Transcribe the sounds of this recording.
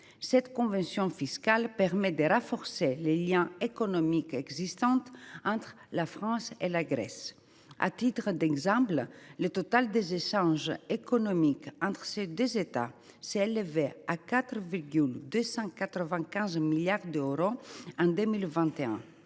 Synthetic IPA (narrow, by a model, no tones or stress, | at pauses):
sɛt̪kɔ̃vɑ̃sjɔ̃fiskalpɛʁmɛd̪əʁãfɔʁseleljɛ̃ekonomikɛɡzist̪ɑ̃t̪ɑ̃t̪χlafχɑ̃selaɡɾɛ̰s | ʔa̰t̪it̪ʁəd̪ɛɡzɑ̃pllət̪ot̪ald̪ezeʃɑ̃ʒekonomikɑ̃nt̪χsed̪øzet̪a̰ | sɛleveakat̪ʁviʁɡyld̪øsɑ̃kat̪ɾəvɛ̃kɛ̃zmiljaʁd̪øʁoɑ̃d̪ømilvɛ̃t̪eɛ̰̃